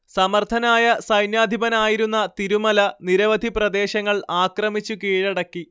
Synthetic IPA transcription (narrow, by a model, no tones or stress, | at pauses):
sɐmɐrt̪ʰɐnaːjɐsɐjnjaːd̪ʱibɐnaːjiɾunːɐt̪iɾumɐlɐniɾɐʋɐd̪ʱiprɐd̪e̞ːɕɐŋːɐɭaːkrɐmit͡ɕːukiːɻɐɽɐkːi